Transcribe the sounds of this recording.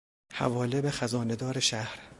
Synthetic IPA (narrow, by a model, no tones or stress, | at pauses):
hæ̰vɒːlebexæzɒːned̪ɒːɾeʃæhɾ